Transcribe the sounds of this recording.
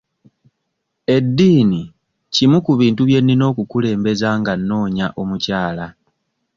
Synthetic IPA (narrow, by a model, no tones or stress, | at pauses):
e̞dːiːni | cimukuβiːntuβje̞nːino̞ːkukule̞ːmbe̞zaːŋɡanːo̞ːɲaʔomucaːla